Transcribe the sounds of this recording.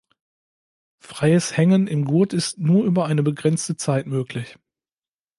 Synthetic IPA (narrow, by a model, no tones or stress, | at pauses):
fʁ̥aɪəshɛŋənɪmɡuɐtɪstnuːɐʔyːbɐaɪnəbəɡʁɛnt͡stət͡saɪtmøːklɪç